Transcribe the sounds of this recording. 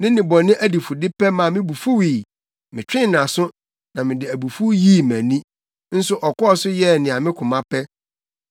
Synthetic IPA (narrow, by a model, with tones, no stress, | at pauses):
nɪ̃˦nɪ̃˨bɔ˨nɪ̃˦ʔæ˦di˨fu˨dɪ˦pɛ˦mã˨mɪ̃˦bu˨fu˦wiː˨ | mɪ̃˨t͡ɕᶣɪ̃˦˨nã˨sʊ˦ | nã˨mɪ̃˨dɪ˨æ˨bu˨fu˦ji˦˨mæ̃˨nĩ˦ | n̩˦sʊ˦ʔɔ˨kʊ˦ɔ˦sʊ˦jɛ˦˨nɪ̃˨a˨mɪ̃˦kʰʊ̃˨mã˦pʰɛ˦